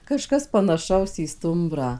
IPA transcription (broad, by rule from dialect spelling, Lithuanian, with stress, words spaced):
kɐˈʃkɐs pɐnɐˈʃɐʊs iː ˈstʊmbrɑː